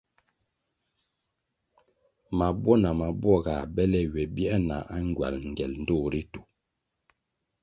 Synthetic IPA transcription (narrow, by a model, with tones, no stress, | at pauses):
ma˨bɔ˦na˨ma˨bwɔ˦˨ɡa˨bɛ˦lɛ˦wɛ˨bi˦na̰˨ʔa˦ŋ˦ɡɥa̰˨lŋ̩˨ɡɛ˨ln̩˦do˦˨ɾi˦tu̥˨